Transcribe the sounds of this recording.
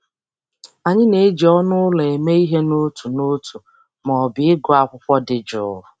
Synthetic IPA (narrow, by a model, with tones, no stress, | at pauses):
a˨ɲɪ˦ne˨˦d͡ʒi˨ɔ˦nʊ˦ʊ˦le˨e˨me˦i˦ɦe˦no˦tu˨no˦tu˨ | mɔ˨bɪ˨ɪ˦ɡʊ˨a˦kʷʊ˦kʷɔ˦dɪ˨d͡ʒʊ˦ʊ˨